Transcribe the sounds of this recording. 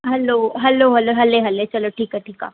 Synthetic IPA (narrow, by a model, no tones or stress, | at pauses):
ɦɐloɦɐloɦɐloɦɐleɦɐlet͡ʃɐloʈʰiːkaʈʰiːka̰ː